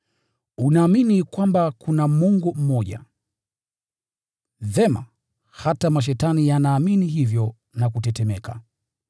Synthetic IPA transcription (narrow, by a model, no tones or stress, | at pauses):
unaːminikwambakunamuŋɡum̩mɔʄa̰ | ðɛma̰ | hatamaʃ̬ɛtanijanaːminiɦivjɔ | nak̬utɛtɛmɛka̰